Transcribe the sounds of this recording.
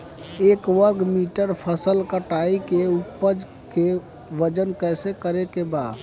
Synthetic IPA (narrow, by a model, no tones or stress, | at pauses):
ekʋəɡmiʈəɾpʰəsəlkəʈaikeupːəd͡ʒ | ke | ʋəd͡ʒənkəɪsekəɾekebad̪